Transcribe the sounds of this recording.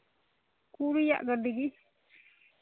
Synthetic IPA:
kuɽija̰ʔɡədiɡi

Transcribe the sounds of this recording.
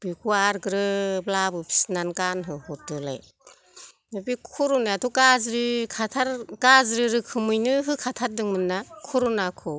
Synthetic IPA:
b̥ikʰuaɾɡɯɾɯblabɯpʰi̥snankanɦɯhɔtɯla̰j | mɯbikʰuɾunaatʰukazɾikʰatʰaɾɡazɾiɾɯkʰɯmɯjnɯɦɯkʰatʰat̚dɯŋmɯnːakʰuɾunakʰɯ

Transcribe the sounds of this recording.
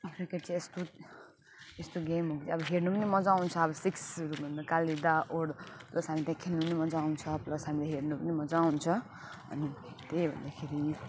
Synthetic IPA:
kɾikeʈt͡sʰiest̪o | est̪oɡemɦokd͡ziʌbʌɦeɾnupʌnimʌd͡zaunt͡sʰʌʌbʌsiksʌɾubʱʌnd̪akalid̪aʔoɽplʌsɦamit̪jãkʰelnupʌnimʌd͡zaunt͡sʰʌplʌsɦamilaɦernupʌnimʌd͡zaunt͡sʰʌ | ʌ̰ni | t̪ebʱʌ̰nd̪akʰeɾi

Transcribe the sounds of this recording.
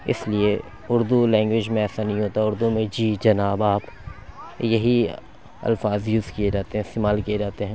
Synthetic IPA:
ɪ̰slie | ʊɾd̪ulɛ̃ːŋɡwɪd͡ʒmẽɛːsanɐɦĩɦoːt̪aʊɾd̪umẽd͡ʒiːd͡ʒɐnaːbaːp | jɐɦi | ɐ̰lfaːzjuːzkied͡ʒaːt̪eɦɛ̃ːɪst̪eːmaːlkijed͡ʒaːt̪eɦɛ̃ː

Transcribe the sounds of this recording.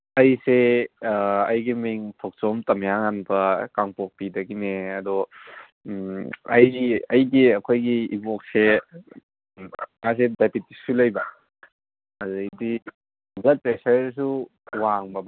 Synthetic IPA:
ɐjse | ɐjɡimiŋpʰok̚t͡ʃomtɐmjaŋanbɐkaŋpok̚pidɐɡineɐdɔ | ɐjiɐjɡiɐkʰojɡiibok̚se | ŋas̬edajpʰitːisulɐjbɐ | ɐzɐdi | ɡɐt̚pɾesɐɾs̬uwaŋbɐb

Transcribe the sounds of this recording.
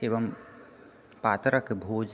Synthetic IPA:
eːʋəm | paːt̪ɾəkebʱoːd͡ʒ

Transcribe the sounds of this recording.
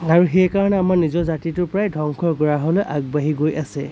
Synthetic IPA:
aɹuxɛjkaɹɔnɛamaɹnizɔɹzatitʊɹpɹajdʱɔŋkʰɔɹɡɔɹaɦɔleʔaɡ̚baɦiɡojʔasɛ

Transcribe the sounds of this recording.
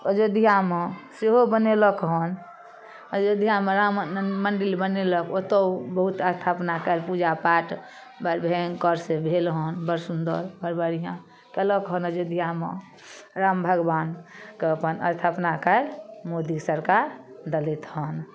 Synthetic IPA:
əd͡ʒod̪ʱijameseɦobəneləkɦɔn | əd͡ʒəd̪ʱijameɾamməɳɖilbəneləkot̪əbəɦut̪əst̪ʰapnakəlpud͡ʒapaʈ | bəɾbʱeŋkəɾsebʱelɦɔnbəɾsund̪ə̰ɾbəɾbəɾiɦã | kələkɦɔnəd͡ʒod̪ʱijame | ɾambʱəɡbankeəpənə̰st̪ʰapnakəlmod̪isəɾkaɾd̪əlit̪ɦɔn

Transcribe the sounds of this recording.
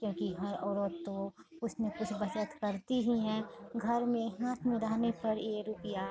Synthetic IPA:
kjõːkiɦɐɾɔːɾoːt̪t̪ːoʊsnekʊt͡ʃʰbɐt͡ʃət̪kɐɾt̪iɦiɦɛ̃ːɡʱɐɾmẽɦãːt̪ʰmɪ̃d̪aːnepɐɾjeːɾʊpəja

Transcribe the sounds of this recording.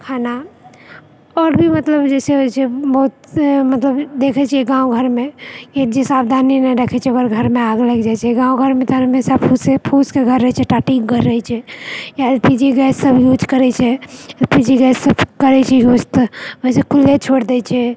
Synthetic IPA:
kʰana | ɔːɾbʱimət̪ləbd͡ʒɛseɦot͡ʃʰɛbəɦut̪̚mət̪ləbd̪ekʰɛt͡ʃʰiɛɡãũɡʱəɾmeed͡ʒesabd̪ʱaninɛɾəkʰɛt͡ʃʰɛɡəɾɡʱəɾmeaɡləɡd͡ʒajt͡ʃʰɛɡãũɡʱəɾmet̪ɔɦəmesapʰusepʰuskeɡʱəɾːəɦɛt͡ʃʰɛʈaʈiɡʱəɾːəɦɛt͡ʃʰɛjalpid͡ʒiɡɛsəbʱjud͡ʒkəɾɛt͡ʃʰɛpid͡ʒiɡɛssəbkəɾɛt͡ʃʰɛjust̪əsekʰulːet͡ʃʰoɽd̪ɛt͡ʃʰɛ

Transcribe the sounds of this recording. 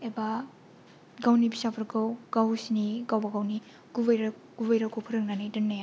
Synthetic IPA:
eba | ɡawnibisapʰɐɾɡawɡ̥awsiniɡawbaɡawni | ɡubɐjɾ | ɡubajɾakʰopʰɐɾɯk̚nanajdɐnːaja

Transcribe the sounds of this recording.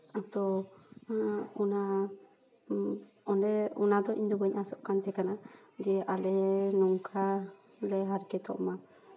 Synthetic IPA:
at̪ɔauna | ɔndɛunad̪ɔʔḭɲd̪ɔbɛɲʔasɔʔkant̪ɛkana | d͡ʒɛʔalɛnɔŋkʰa | lɛɦaɾkɛt̪ɔ̰ʔma

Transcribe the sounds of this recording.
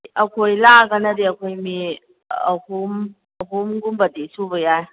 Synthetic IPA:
ɐkʰojlaɡanɐdeɐkʰojmi | ɐ̰hum | ɐɦumɡumbɐdesubɐjaj

